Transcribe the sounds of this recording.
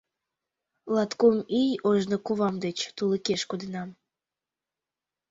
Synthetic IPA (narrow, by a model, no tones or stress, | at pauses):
lˠɑt̪kumijoʒnokuβɑmd̪et͡ɕt̪uləkeʃkud̪ənɑm